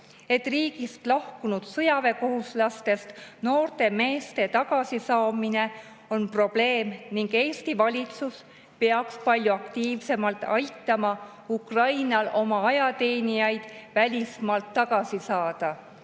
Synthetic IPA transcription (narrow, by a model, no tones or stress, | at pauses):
e̞t̪ːˑriːɡist̪lɑhkunud̪̥sɤjɑve̞ko̞ɦuslɑst̪e̞st̪no̞ːrt̪e̞me̞ːst̪e̞t̪ɑɡ̥ɑsisɑːmine̞ | o̞npro̞b̥le̞ːmniŋɡ̥e̞ːst̪ivɑlʲit̪sus | peɑkspɑlʲjuɑkt̪iːvse̞mɑlt̪ˑɑ̰jt̪ːˑɑmɑ | ukrɑjnɑlʔo̞mɑɑjɑt̪e̞ːnijɑjd̪̥vælʲismɑlt̪ːɑɡɑsisɑːd̪̥ɑ